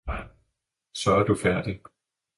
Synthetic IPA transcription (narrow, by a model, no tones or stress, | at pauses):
sɒ̽æɐd̥ufæɐ̰d̥i